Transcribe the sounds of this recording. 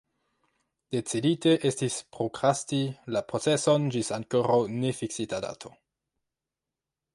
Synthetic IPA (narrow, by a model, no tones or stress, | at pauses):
d̥e̞t͡sidite̞ʔe̞stispɾokɾastilapɾo̞t͡se̞so̞nd͡ʒisaŋko̞ɾawne̞fiksitada̰tʰo̞